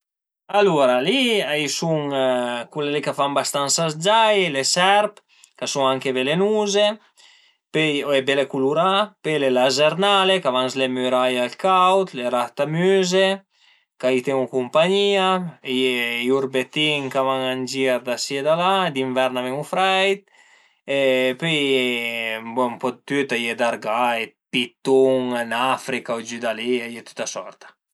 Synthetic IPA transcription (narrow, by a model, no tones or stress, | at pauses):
aluɾaliajsuŋkulelekafambast̪ansazd͡ʒajlesɛɾp | kasuŋaŋkebelenuze | peebelekuluɾapelelazeɾnalekavanzlemyɾajalkawt̪leɾat̪amyze | kait̪eŋukumpaɲiajejuɾbet̪iŋkavaŋand͡ʒiaɾd̪asjed̪alad̪iɱvɛɾnavɛŋufɾɛjt̪̚ | epi | bɔmpɔd̪t̪yt̪ajed̪aɾɡaepit̪uŋanafɾikaud͡ʒyd̪aliajet̪y̥t̪asɔ̰ɾt̪ḁ